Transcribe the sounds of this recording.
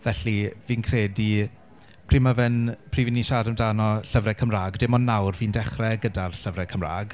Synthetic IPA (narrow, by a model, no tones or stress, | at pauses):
vɛɬiviːnkʰreːdi | pʰr̥iːmavɛnpʰriːviniʃaːdəmdaːnɔɬəvrɛkʰəmraːɡdɪmɔnnːawrviːndɛχrɛɡədarɬəvrɛkʰəmra̰ːɡ